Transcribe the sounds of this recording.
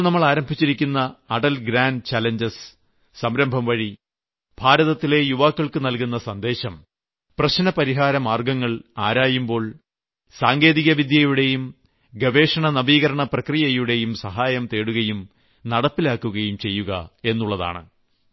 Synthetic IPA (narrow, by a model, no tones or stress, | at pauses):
nɐmːɐɭaːɾɐmbʱit͡ɕːiɾikʲːunːɐːɖɐlɡɾaːnɖt͡ɕaːleɲd͡ʑɐs | sɐmɾɐmbʱɐmʋɐɻi | b̥ʱaːɾɐðɐt̪ːile̞juʋaːkːɐɭkɨnɐlkunːɐsɐnd̪e̞ːɕɐm | prɐɕnɐpɐɾiɦaːɾɐmaːrɡɐŋːɐɭaːɾaːjumbo̞ːɭ | saːŋɡe̞ːðiɣɐʋid̪ʱjɐjuɽe̞jum | ɡɐʋe̞ːʂɐɳɐnɐʋiːɣɐɾɐɳɐprɐkrijɐjuɽe̞jumsɐɦaːjɐmt̪e̞ːɽuɣɐjum | nɐɽɐpːilaːkːuɣɐjumt͡ɕe̞jːuɣɐ̰e̞nːuɭːɐða̰ːɳɨ̰